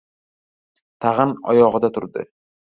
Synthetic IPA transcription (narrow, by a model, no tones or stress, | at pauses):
t̪ʰaʁɨnɒ̰jɒʁɨd̪at̪ʰʊɾd̪ɪ̰